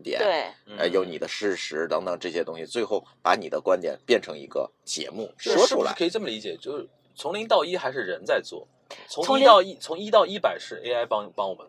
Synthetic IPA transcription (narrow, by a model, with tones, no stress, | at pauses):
t̪jɛ̰˨˩˦e˩n̩˥˩ə̰˧˩jo˧˥ni˨˩d̪ə˦ʂɻ̩˥˩ʂɻ̩˧˥t̪ɑ˧˥ŋt̪ɑ˧˩ŋʈ͡ʂɤ˥˩ɕjɛ˥t̪ʊ˥ŋɕi˨t͡swe˥˧ɪxo˥˩ʊpa˧˥ni˨˩d̪ə˦kwa˥nt̪jɛ̰˨˩npjɛ˥˩nʈ͡ʂʰɤ˧˥ŋḭ˧˥ɡə̰˧ | t͡ɕjɛ̰˧˥mu˥˩˥wɔ˥ʂ̩˥˩˧kʰɤ˧˥i˨˩ʈ͡ʂɤ˥˩mə˨li˧˥t͡ɕjɛ˨˩t͡ɕjo˥˧ʊʂɻ̩˥˩ | t͡sʰʊ˧˥ŋli˧˥ŋt̪ɑ˥˩ʊi˥xa˧˥ɪʂ̬ɻ̩˥˩ɻə˧˥nt͡sa˥˧ɪt͡swɔ̰˥˩ | t͡sʰʊ˧˥˧ɑ˥˧ʊi˥˩t͡sʰʊ˧˥ŋi˥t̪ɑ˥˧ʊi˥˩pa˨˩ɪʂɻ̩˥˩ʔḛ˥ɪa˥ɪpɑ˥ŋpɑ˥ŋwɔ˨˩mə˦